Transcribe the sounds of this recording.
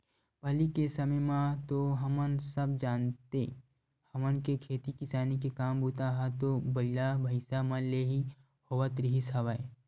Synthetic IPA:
pəlikesɐməjmãt̪oɦɐmənsəbd͡ʒaːnt̪e | hɐmənkekʰeːt̪ikɪsaːnikekaːmbʱuːt̪aɦat̪obɐilabʱəɪsamə̃leːɦi | hoʋət̪ɾiɦisɐʋae

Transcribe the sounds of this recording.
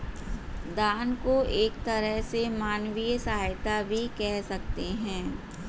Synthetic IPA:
d̪aːnkoeːk̚t̪ɐɾəɦsemaːnwijsaːajt̪abʱikɛɦsɐk̚t̪eɦɛ̃ː

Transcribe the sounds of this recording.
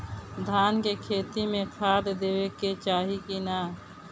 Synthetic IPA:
d̪ʱaːnkekʰeːt̪imẽkʰaːd̪d̪eːweket͡ʃaːɦikinaː

